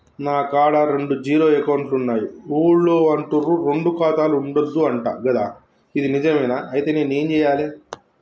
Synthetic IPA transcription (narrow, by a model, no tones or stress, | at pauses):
naːkaːɽaɾe̞ɳɖud͡ʒiːɾo̞ːekɐwɳʈlunːaːjiuːɽloːɐɳʈuɾuɾeɳɖukaːt̪aːluːɳɖɐd̪ːuɐɳʈa̰ːɡɐd̪a̰ː | id̪inid͡ʒɐmɛːnaɐjit̪e̞ːne̞ːneːnt͡ʃɛːjaːleː